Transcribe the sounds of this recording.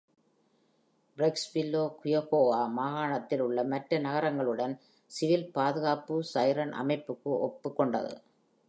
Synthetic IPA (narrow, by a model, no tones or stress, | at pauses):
bɾɛksʋɪlːoːkʊjɐɣoːʋaːmaːɣaːɳɐt̪ːɪlɯɭːɐmɐʈɾɐnɐɣɐɾɐŋɡɐɭɯɽɐn | sɪʋɪlpaːðɯɣaːpɯsɐjɾɐnʔɐ̰mɐɪpːɯkːɯʔɔpːɯkːɔɳɖɐ̰ðɯ̰